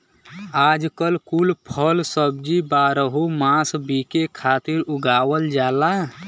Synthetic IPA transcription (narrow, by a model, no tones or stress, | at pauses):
ad͡ʒkəlkulpʰəlsəbd͡ʒibaɾəɦumãsbikekʰat̪iɾuɡawəld͡ʒala